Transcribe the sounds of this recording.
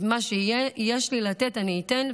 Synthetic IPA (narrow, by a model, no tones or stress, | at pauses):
maʃejejeʃlilat̪etaniːt̪en